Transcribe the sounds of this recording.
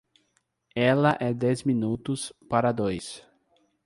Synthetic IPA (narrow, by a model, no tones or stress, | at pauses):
ɛlɐʔɛd̪ɛzmĩnut̪ʊspaɾɐd̪ojs